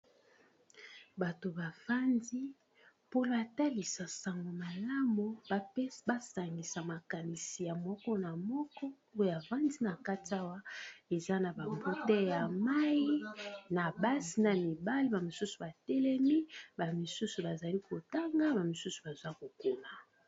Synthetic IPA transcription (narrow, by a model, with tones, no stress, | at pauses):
ba˨to˨ba˨va˦ndi˦ | po˦la˨ta˦li˨sa˨sa˨ŋɡo˨ma˨la˦mo˨˦ba˦sa˨ŋɡi˨sa˨ma˨ka˨ni˨si˨ja˨mɔ˦kɔ˦na˨mɔ˦kɔ˦ | o˦˨a˨va˦ndi˦na˨ka˦ti˨˦a˦wa˦e˨za˦na˨ba˨mbu˦tɛ˦ja˨ma˦ji˦na˨ba˦si˨na˨mi˨ba˦li˦ba˨mo˨su˦su˨ba˨tɛ˦lɛ˦mi˦ba˨mi˨su˦su˨ba˨za˨li˦ko˨ta˦ŋɡa˦ba˨mi˨su˦su˨ba˨zwa˦ko˨ku˦la˨